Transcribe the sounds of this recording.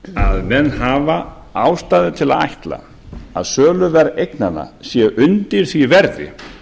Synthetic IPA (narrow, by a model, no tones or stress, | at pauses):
aðmɛnːɦaːva | awst̪aːðɪt̪ʰɪlaða̰jht̪la̰ | aðsœːlʏvɛɾejknana̰sjɛʔʏnt̪ɪɾ̥θivɛɾðɪ̰